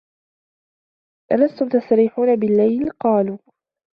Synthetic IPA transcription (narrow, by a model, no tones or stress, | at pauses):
ʔalast̪ʊmt̪asˤt̪aɾiːħuːnabɪlːajlqɑːluː